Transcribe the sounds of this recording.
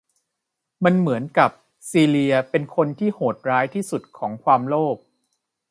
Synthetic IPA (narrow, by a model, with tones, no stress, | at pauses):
ma˧nmɯ˩˦ənka˨˩p̚ | siː˧li˧ɐpe˧nkʰo˧nt̪ʰiː˥˩hoː˨˩t̪̚ɾaː˦˥jt̪ʰiː˥˩su˨˩t̪̚kʰɔː˩˦ŋkʰwaː˧mloː˥˩p̚